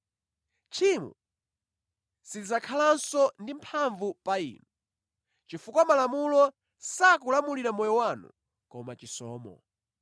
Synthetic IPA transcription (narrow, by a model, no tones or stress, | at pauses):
t͡ʃʰimṵ | sid͡zakʰalansɔndim̩pʰaɱvupaḭːnu | t͡ʃifukwamalamulɔ | sakulamuliɾamɔjɔwanṵ | kɔmat͡ʃisɔ̰ːmɔ̰